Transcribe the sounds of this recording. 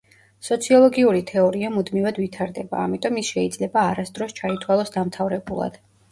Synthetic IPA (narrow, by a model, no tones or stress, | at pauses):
sɔt̪sʰiɔlˠɔɡiuɾit̪ʰɛɔɾiamud̪mivad̪vit̪ʰaɾd̪ɛba̰ːmit̪ʼɔmisʃɛid̪zlɛbaːɾasd̪ɾɔst͡ʃʰait̪ʰwalˠɔsd̪amt̪ʰavɾɛbulˠa̰d̪̥